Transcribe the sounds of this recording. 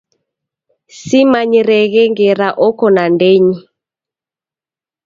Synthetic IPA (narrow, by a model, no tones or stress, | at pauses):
simaɲiɾɛɣɛŋɡɛɾaʔɔkɔnandeɲi